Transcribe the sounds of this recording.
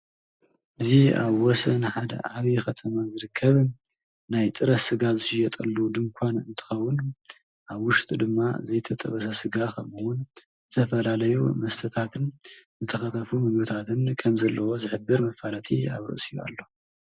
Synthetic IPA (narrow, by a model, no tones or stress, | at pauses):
ʔɨzia̰βwɔsɐnɨħad̪ɐ̰ʕaβixɐt̪ʰɐmazɨɾɨkʰːɐβɨn | najt̪ʼɨɾɐsɨɡazɨʃɪjɛt̪ʼɐlːud̪ɨmkʰʷanɨnt̪ʰɨ̥xɐwːʊn | ʔaβwʊʃt̪ʼid̪ɨmːazɐjt̪ʰɐt̪ʼɐ̰βɐsɐsɨɡakʰɐmuwʊn | zɨt̪ʰɐfɐlalɐjumɐst̪ʰɐt̪ʰat̪ʰɨnzɨt̪ʰɐxɐt̪ʰɐfumɨɡbɨt̪ʰat̪ʰɨnkʰɐmzɐlːɐwo̞zɨħɨbːɨɾmɐfalɐt̪ʰia̰βɾɨ̰ʔsija̰lːo̞